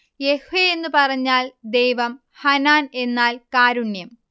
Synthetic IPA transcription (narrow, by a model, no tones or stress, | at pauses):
jehuʋeenːupɐrɐɲːaːld̪e̞jʋɐm | hɐnaːne̞nːaːlkaːɾuɳjɐm